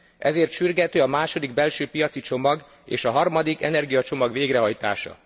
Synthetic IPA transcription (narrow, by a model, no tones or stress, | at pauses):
ʔɛzeːrt̪ʃyrɡɛt̪øːɒmaːʃo̞d̪iɡbɛlʃøːpijɒt̪sit͡ʃo̞mɒɡ | ḛːʃɒɦɒrmɒd̪ikɛnɛrɡijɒt͡ʃo̞mɒɡʋeːɡɾɛɦɒjt̪a̰ːʃɒ̰